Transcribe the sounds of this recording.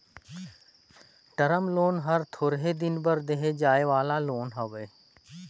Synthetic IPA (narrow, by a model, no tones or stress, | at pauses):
ʈəɾəmloːnɦəɾt̪ʰoːɾɦeːd̪ɪnbəɾd̪eɦed͡ʒaːeʋaːlaːloːnɦəʋeː